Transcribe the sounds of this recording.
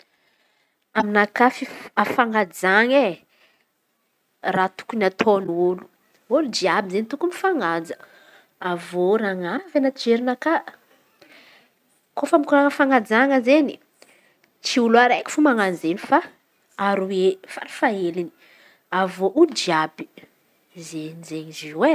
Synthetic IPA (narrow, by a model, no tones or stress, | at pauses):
aminakafiafaŋad͡zaŋe | rat̪u̥kunat̪ʰonulu̥ | ulud͡ʒiabizenit̪ukumifaŋad͡zə | avoɾaŋavanat͡ʃid͡ʒeɾinakaʔ | kofamikuɾaəfaŋad͡zaŋəzeni | t͡siuluaɾajki̥fumaŋanzenifa | aɾuefa̰ɾi̥faelini̥ | avoʔulud͡ʒiabi̥ | zenizeɲiziwe